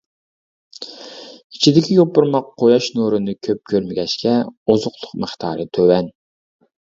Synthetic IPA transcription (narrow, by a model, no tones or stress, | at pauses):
it͡ʃʰid̪ɪkʲʰijopːuɾmɑqʰːojɑʃnuɾɨnɨkʲʰøp̚kʲʰøɾmɪɡʲɛʃkʲʰɛozʊqlˠʊqməχt̪ʰɑ̰ːɾɨt̪ʰøwɛn